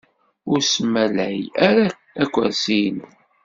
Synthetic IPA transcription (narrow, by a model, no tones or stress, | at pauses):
ʊɾsəmælæjæɾæ | ækʷːæɾsin